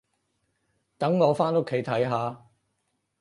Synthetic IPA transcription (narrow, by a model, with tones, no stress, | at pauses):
t̪ɐ˨˥ŋŋɔː˨˧faː˥nʊ˥kʰe˨˥jt̪ʰɐ˨˥jɦaː˨˧